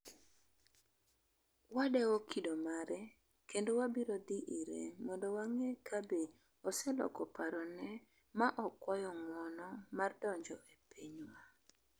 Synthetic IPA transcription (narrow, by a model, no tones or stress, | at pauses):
wadɛokʰidomaɾɛ | kendowabiɾod̪iʔiɾḛmɔndowaŋekʰabe | ɔsɛlɔ̰kɔpaɾɔnɛ | maʔɔkwajɔŋɔnɔmardɔɲd͡ʒɔʔepʰiɲwa